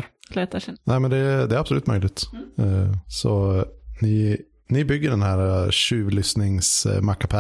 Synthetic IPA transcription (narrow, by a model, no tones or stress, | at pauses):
leːt̪anæːmɛnd̪ɛd̪ɛæːɾabslʉ̟ːt̪mœʏlɪɡt̪ː | sɔnɪ | nɪbʏɡːəɖɛnɦæːɾaɕʉ̟ːvlʏsnɪŋsmakːapʰæ